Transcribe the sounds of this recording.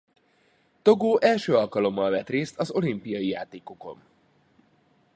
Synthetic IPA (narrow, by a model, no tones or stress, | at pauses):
t̪o̞ɡoːʔɛlʃøːɒlkɒlo̞mːɒlvɛt̪reːst̪ɒzo̞limpijɒjijaːt̪eːko̞ko̞̰n